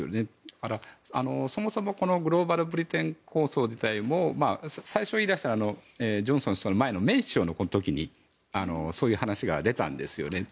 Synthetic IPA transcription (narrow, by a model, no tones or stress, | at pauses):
o̰ne̞kaɾaano̞so̞mo̞so̞mo̞ko̞no̞ɡɯ̟ɾo̞ːbaɾɯ̟bɯ̟ɾʲit̪ẽ̞ŋkʰo̞ːso̞ːd͡ʑit̪aimo̞maːsaiɕo̞iːd̪aɕi̥t̪aɾaːno̞ed͡ʑõ̞ɰ̃sõɕtoanomae̞no̞me̞ːɕo̞ːno̞ko̞not̪o̞kʲiɲ̟i | ano̞̰so̞ːjɯ̟ːhanaɕiɡa̰d̪e̞t̪ã̰nd̪e̞sɨjo̰ne̞